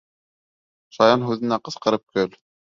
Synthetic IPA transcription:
ʃɑjɑnɦʉðɘ̆næqɤ̆sqɤ̆ɾɤp̚kɵl

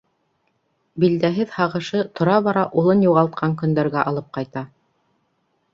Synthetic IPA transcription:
bild̪æɦɘðhɑʁɤ̆ʃɤt̪ʰŏɾɑβɑɾɑʔulˠɤnjuʁɑlˠt̪̚qʰɑŋkɵ̆nd̪æɾɡæʔɑlˠɤp̚qɑjt̪ɑ

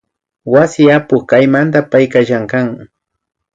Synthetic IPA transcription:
wasɪapʊχkajmant̪apajkaʃaŋkaŋ

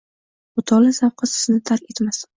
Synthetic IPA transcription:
ʊt̪ʰɒlasawqʰɑsɪ̥znɪt̪ʰaɾkʲʰe̞t̪mas

